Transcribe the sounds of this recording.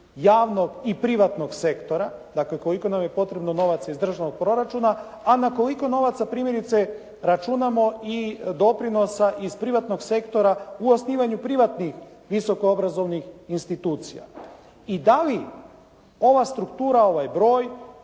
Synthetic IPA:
jaːʋno̞ɡipɾiʋat̪no̞ɡse̞kt̪o̞ɾa | d̪akleko̞liko̞namje̞po̞t̪ɾe̞bno̞no̞ʋat̪saizd̪r̩ʒanoɡ̚pɾo̞ɾat͡ʃuːna | anako̞liko̞no̞ʋat̪sapɾiːmjeɾit̪se̞ | ɾat͡ʃunamo̞id̪o̞pɾino̞saʔizpɾiʋat̪no̞ɡse̞kt̪o̞ɾauo̞sniːʋaɲupɾiʋat̪nixʋiso̞koobɾazo̞ʋnixinst̪it̪uːt̪sḭja̰ | id̪ali | o̞ʋast̪ɾukt̪uːɾao̞ʋajbɾo̞ːj

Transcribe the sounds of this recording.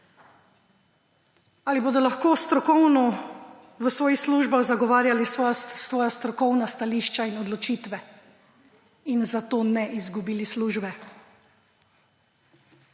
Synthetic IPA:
aliboːd̪ɔlaxkoːst̪ɾɔkɔwnɔ | ʋəsʋɔːjixsluːʒbaɣzaɡɔʋaːɾjalisʋɔːjast̪ɾɔkɔwnast̪aliːʃt͡ʃainɔd̪lɔt͡ʃiːt̪ʋɛ | inzat̪oːnɛʔizɡubiːlisluːʒbɛ

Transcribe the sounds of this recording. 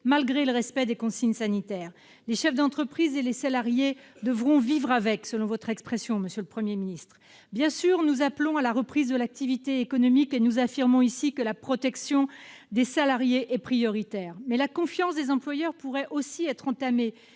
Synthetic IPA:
malɡʁeləʁɛspɛd̪ekɔ̃siɲsanit̪ɛːʁ | leʃɛfd̪ɑ̃t̪χəpχizelesalaʁjed̪əvʁɔ̃vivʁavɛksəlɔ̃vɔt̪χɛkspχɛsjɔ̃məsjøləpχəmjeminist̪χ | bjɛ̃syʁnuzaplɔ̃alaʁəpχizd̪əlak̚t̪ivit̪eːkɔnɔmikenuzafiʁmɔ̃isikəlapχɔt̪ɛksjɔ̃d̪esalaʁjeʔɛpχijɔʁit̪ɛːʁmɛlakɔ̃fjɑ̃sd̪ezɑ̃plwajœʁpuʁɛʔosiɛt̪χɑ̃t̪ame

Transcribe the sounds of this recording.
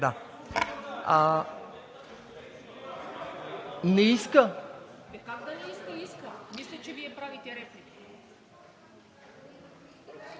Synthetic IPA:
d̪a | a | nɛiskə | kakd̪anɛiskəiskɐmislʲɛt͡ʃɛviɛpɾavit̪ʲɛɾɛflik

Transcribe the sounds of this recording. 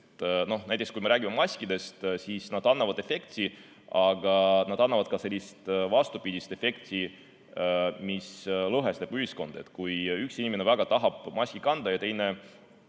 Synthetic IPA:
no̞hnæjt̪ekskujme̞ɾæːɡimemɑsʲkid̪e̞st̪siːsnɑd̪̥ɑnːɑvɑd̪̥e̞fe̞kt̪si | ɑɡ̥ɑnɑd̪̥ɑnːɑvɑd̪̚kɑse̞lʲːist̪vɑst̪upid̪̥ʲist̪e̞fe̞kt̪si | mislɤɦest̪epuhisko̞nd̪̥et̪kujyksinʲimenevæɡ̥ɑt̪ɑɦɑb̥mɑsʲkikɑnd̪̥ɑjɑt̪e̞jne̞

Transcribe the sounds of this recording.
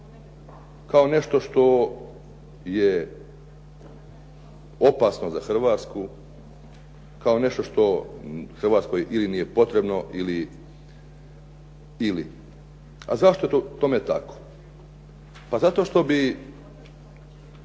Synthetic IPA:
kao̞ne̞ʃt̪o̞ʃt̪o̞ | je | opasno̞zaxr̩ʋaːt̪sku | kao̞ne̞ʃt̪o̞ʃt̪o̞xr̩ʋaːt̪sko̞jeʔilinije̞po̞t̪ɾe̞bno̞ʔili | ili | a̰zaʃt̪o̞eot̪omet̪ako̥ | pazat̪o̞ːʃt̪o̞bi

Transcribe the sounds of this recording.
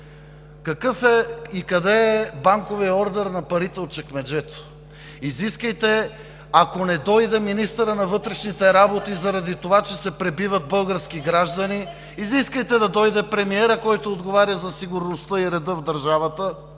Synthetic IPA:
kɐkɤfɛikɐd̪ɛːbaŋkoviɐɔɾd̪ɛɾnɐpɐɾit̪ɛot̪̚t͡ʃɛkmɛd͡ʒɛt̪o̥ | iziskəjt̪ɛ | akonɛd̪ɔjd̪ɛminist̪əɾənɐvɤt̪ɾɛʃnit̪ɛɾabot̪izɐɾɐd̪it̪ovat͡ʃɛsɛpɾɛbivɐt̪̚bɤlˠɡəɾskiɡɾaʒd̪ɐniː | ziskəjt̪ɛd̪ɐd̪ɔjd̪ɛpɾɛmiɛɾəkɔjt̪oːd̪ɡovaɾjɐzɐsiɡʊɾnost̪əiɾɛd̪əvd̪ɐɾʒavɐt̪ə

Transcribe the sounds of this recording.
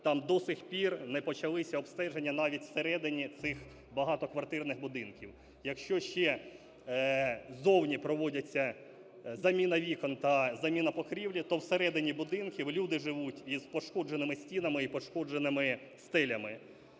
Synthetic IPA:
t̪ɑmd̪ɔsɪxpʲirnɛpɔt͡ʃɐlˠɪsʲɐɔbst̪ɛʒenʲːɐnɑʋʲitʲwseɾɛd̪ɪnʲit̪sɪx | bɐɦɑt̪ɔkʋɐrt̪ɪrnɪxbʊd̪ɪnkʲiw | jɐkʃt͡ʃɔʃt͡ʃɛ | zɔwnʲipɾɔʋɔdʲɐt͡sʲːɐ | zɐmʲinɐʋʲikɔnt̪ɐzɐmʲinɐpɔkɾʲiwlʲit̪ɔwseɾɛd̪ɪnʲibʊd̪ɪnkʲiwlʲud̪ɪʒɪʋutʲizpɔʃkɔd͡ʒenɪmɪsʲtʲinɐmɪipɔʃkɔd͡ʒenɪmɪ | st̪ɛlʲɐmɪ

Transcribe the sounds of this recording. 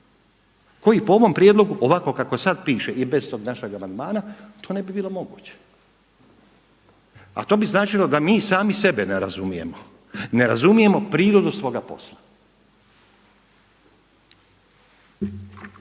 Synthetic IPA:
ko̞jipoo̞ʋo̞mpɾjed̪lo̞ɡuʔoʋako̞kako̞sad̪piːʃeʔibez̥t̪o̞ːɡnaʃeɡamand̪maːnat̪o̞ːnebibiːlo̞mo̞ɡuːt͡ɕe̥ | a̰t̪o̞ːbiznaːt͡ʃilˠo̞d̪amiːsaːmise̞beneɾa̰zumije̞̰mo | neɾazumije̞mo̞pɾiːɾo̞d̪usʋo̞ːɡapo̞̰slˠḁ

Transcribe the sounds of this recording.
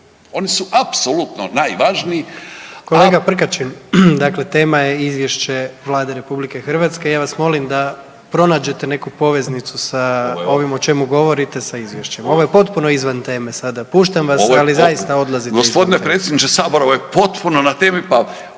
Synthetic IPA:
o̞nisuʔapsolut̪no̰najʋaʒniːko̞leɡapr̩kat͡ʃind̪akle̞t̪e̞ːmaje̞izʋje̞ʃt͡ɕe̞ʋlˠaːd̪eɾe̞publike̞xr̩ʋat̪ske̞jaːʋasmo̞limd̪a | pɾo̞naːd͡ʑe̞t̪e̞ne̞kupo̞ʋe̞znit̪susao̞ʋimo̞t͡ʃe̞muɡo̞ʋo̞ɾit̪e̞saizʋjeʃt͡ɕe̞mo̞ʋo̞jepo̞t̪puno̞izʋant̪e̞ːme̞sad̪apuːʃt̪amʋasalizajist̪ao̞d̪lˠazit̪ɡosspod̪inepɾet̪sjed̪nit͡ʃesaːboɾoʋojepo̞t̪punonat̪eːmipa

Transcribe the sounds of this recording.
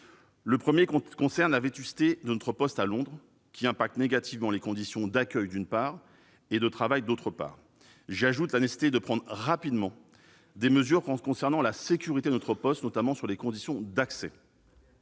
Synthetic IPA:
ləpχəmjekɔ̃sɛʁnlavet̪ysi̥t̪ed̪ənɔt̪χəpɔst̪alɔ̃d̪ʁ | kʲiɛ̃pak̚t̪neɡat̪ʰivmɑ̃lekɔ̃d̪isjɔ̃d̪akʲœjd̪ynpaːʁ | ed̪ət̪χavajd̪ot̪χəpa̰ːʁ | ʒaʒut̪lanese̥sit̪ed̪əpχɑ̃d̪ʁʁapid̪mɑ̃ | d̪eməzyʁkɔ̃sɛʁnɑ̃lasekʲyʁit̪ed̪ənɔt̪χəpɔst̪nɔt̪amɑ̃syʁlekɔ̃d̪isjɔ̃d̪aksɛ

